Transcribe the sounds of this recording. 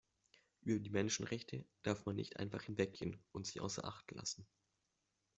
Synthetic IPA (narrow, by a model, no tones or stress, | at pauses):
ʔyːbɐdiːmɛnʃn̩ʁɛçtʰəd̥aɐfmanːɪ̰çtʔa̰ɪnfaχhɪnvɛk̚ɡ̥eːənʔʊntz̥iːʔa̰ʊsɐ̰ɐʔa̰χtla̰sn̩